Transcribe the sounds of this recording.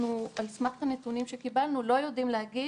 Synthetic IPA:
nualsmaχtanet̪unimʃekibalnulo̞jo̞dimlehaɡi

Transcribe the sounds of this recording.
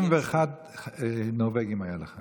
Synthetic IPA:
mveːχad̪ | noveɡimajaleχa

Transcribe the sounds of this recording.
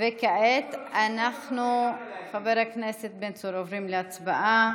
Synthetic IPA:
vekaʔet̪ʔanaxnuxaveɾakneset̪̚bent͡soɾovɾimleat͡sbaʔa

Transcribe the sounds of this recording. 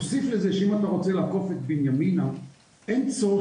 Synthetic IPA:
osiflezeʃeimat̪aʁo̞t͡selaːko̞fet̪̚binjamina | ent͡so

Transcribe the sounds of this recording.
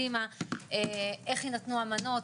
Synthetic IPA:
imaeʔeχinat̪nuamano̞t

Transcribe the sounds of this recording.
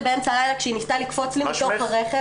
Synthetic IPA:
beemt͡salajlakʃeinist̪alikfot͡slimaʃopaʁeχe

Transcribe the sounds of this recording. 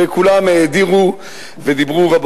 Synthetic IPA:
ekulameːd̪iʁu | ved̪ibʁuvab

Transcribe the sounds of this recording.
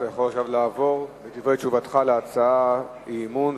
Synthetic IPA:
ajaχolaχʃavlaːvo̞ʁvet̪ivʁet͡ʃuvat̪χaleat͡saa | imun

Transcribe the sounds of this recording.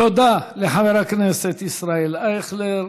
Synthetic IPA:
od̪aleħaveɾakneset̪isɾaelaxle

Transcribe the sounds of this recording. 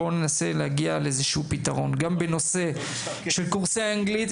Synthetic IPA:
onenase̞leaɡialeezeʃeupit̪aʁo̞nɡambeno̞se̞ | ʃelkuʁseaaŋɡlit̪

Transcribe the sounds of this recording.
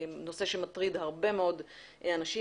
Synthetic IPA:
no̞se̞ʃemat̪ʁid̪haʁbe̞meo̞d̪anaʃi

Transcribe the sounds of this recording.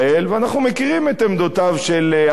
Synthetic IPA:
elveanaχnumekiʁimet̪emd̪ot̪avʃel

